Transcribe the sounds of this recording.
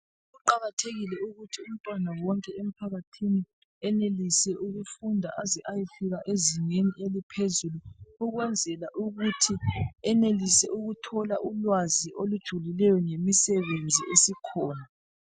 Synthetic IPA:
ɣuǃaɣatʰeɣilɛuɣutʰium̩tʼwanawɔŋkʼɛem̩pʰaɣatʰini | ɛnelisɛʔuɣufundʱa̰ʔaziʔajifiɣaʔeziŋeniʔelipʰezuluuɣwɛnd͡zʱɛlaʔuɣutʰiɛnelisɛ̰ʔuɣutʰɔlaʔulwaziʔolud̥ʒ̥ʱulilɛjɔŋemisɛβend͡zʱiʔesikʰɔːna

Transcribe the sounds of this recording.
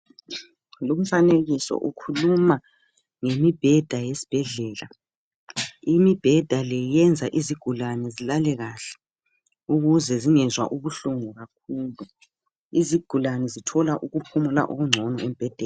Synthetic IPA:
lum̩faneɣisɔ̰ʔukʰuluma | ŋemib̥ʱɛd̥ʱajesi̥b̥ʱɛɮɛːla | imib̥ʱɛd̥ʱalɛjɛnd͡zʱaʔiziɡ̥ʱulanɛzilalɛɣaːɬɛ̥ | uɣuzɛziŋɛzwa̰ʔuβuɬuŋuɣakʰuːlu | iziɡ̥ʱulanɛzitʰɔlaʔuɣupʰumula̰ʔuɣuŋ͡ǀʱɔnɔem̩b̥ʱɛd̥ʱɛːla

